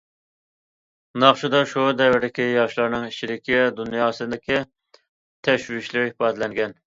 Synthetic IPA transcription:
nɑχʃud̪ɑʃud̪ɛvɪɾd̪ɪkʲijɑʃlˠɑɾnɨŋit͡ʃʰilɪkʲid̪unjɑːsɨnd̪ɪkʲi | t̪ʰɛʃwiʃlɪɾɪipɑːd̪ɪlɛŋɡʲɛn

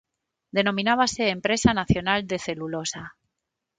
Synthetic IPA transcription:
d̪e̞nõ̞mĩnaβ̞ase̞ːmpɾe̞sanaθjo̞nald̪e̞θe̞lulo̞sa

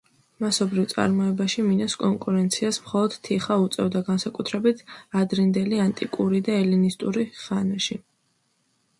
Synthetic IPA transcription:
masɔbɾivt̪sʼa̰ɾmɔɛbaʃiminɔskʼɔŋkʼuɾɛnt̪sʰiasmχɔlˠɔd̪̥t̪ʰiχaut̪sʼɛvd̪aɡansakʼut̪ʰɾɛbit̪ʰad̪ɾind̪ɛliant̪ʼikʼuɾid̪aɛlinist̪ʼuɾiʁanaʃi

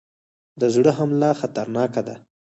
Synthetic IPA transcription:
d̪əzɽəɦamlɑxat̪aɾnɑkad̪a

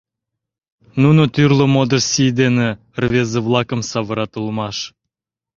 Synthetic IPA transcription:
nunot̪yrlə̆mod̪ərsʲijd̪ene | rvʲezəvlˠɑkəmsɑβɤ̆ɾɑt̪əlˠmɑʃ

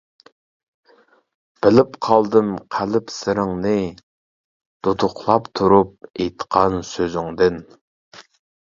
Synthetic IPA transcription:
b̥ɪlɪpqʰɑlˠd̪ɨmqʰælɪpsɪɾɪŋnɨ | d̪̥ot̪ʰʊqlˠɑpt̪ʰuɾup̚ejt̪ʰə̥qʰɑnsøzyŋd̪ɪn

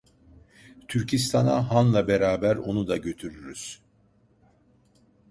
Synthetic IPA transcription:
t̪ʰyɾcʰis̬t̪ʰanaɦanlˠabe̞ɾaːbæɾo̞nud̪aɟø̞t̪ʰyɾyɾyz̥

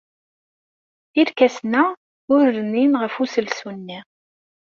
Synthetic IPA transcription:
iɾkæsnæ | ʊɾːənːinʁəfusəlsunːi

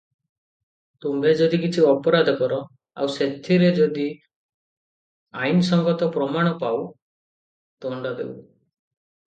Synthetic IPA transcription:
t̪umbed͡ʒɔd̪ikit͡ʃʰiɔpɔɾad̪ʱɔkɔɾɔ | a̰wset̪ʰiɾed͡ʒɔd̪i | ainsɔŋɡɔt̪ɔpɾɔmaɽ̃ɔpaw | t̪ɔɳɖɔd̪ḛw

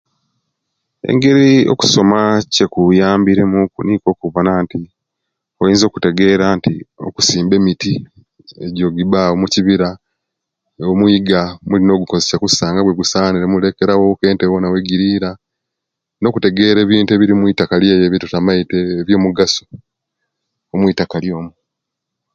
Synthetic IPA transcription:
e̞̰ŋɡe̞ɾio̰ku̥so̞mace̞kujaːmbiɾe̞mukuniːko̞ːkuβanaːnti | ojiːnzo̞ːku̥te̞ɡe̞ːɾaːntio̞̰ku̥siːmbe̞miti | e̞ɟo̞ːɡiβaomuciβiɾa | omwiːɡamulino̞ɡukozesakusaːŋɡaβweɡusaːniɾemuleke̞ɾawoke̞ːntewonawe̞ɡiɾiːɾa | no̞ːkute̞ɡe̞ɾe̞ːβiːntueβiɾimwiːtakaljeːjeːβitutamaiteːβjo̞ːmuɡaso̥ | omwiːtakaljo̞ːmu

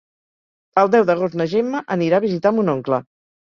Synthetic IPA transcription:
əlˠd̪ɛwðəɣ̞ost̪nəʒemːəʔəniɾaəβizit̪ambunoŋklə

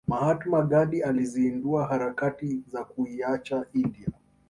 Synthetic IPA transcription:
mahatumaɠaɗializiːnduaɦaɾakatizakuiat͡ʃaʔindia

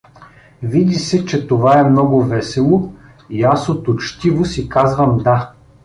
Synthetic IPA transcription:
vid̪isɛt͡ʃɛt̪ovaɛmnɔɡʊvɛsɛlˠʊ | iasot̪ʊt͡ʃt̪ivosikazvɐmd̪a

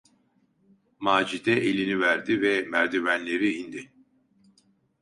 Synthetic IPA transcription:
maːd͡ʒid̪ɛʔelʲinivæɾd̪ivɛmæɾd̪ivænlʲe̞ɾiind̪i

